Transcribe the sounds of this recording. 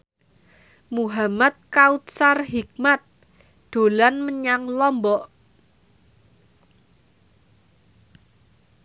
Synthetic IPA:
muɦamat̪̚kaut̪̚sarɦik̚mat̪̚ | ɖ̪̥o̤lanməɲaŋlɔmbɔʔ

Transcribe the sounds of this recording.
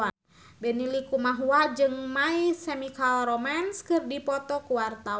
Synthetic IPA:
a | bɛnilikumaɦuad͡ʒɨŋmaisɛmikalrɔmanskɨrdipɔt̪ɔkuwart̪a

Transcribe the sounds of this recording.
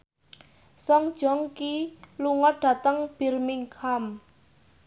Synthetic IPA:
sɔŋd̥ʒ̥ɔ̤ŋkiluŋɔt̚ɖ̥ä̤t̪əŋb̥i̤rmiŋkʰam

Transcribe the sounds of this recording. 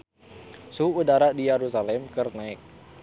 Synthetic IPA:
suːdaɾadijɛɾusalɛmkɨrnaɪk̚

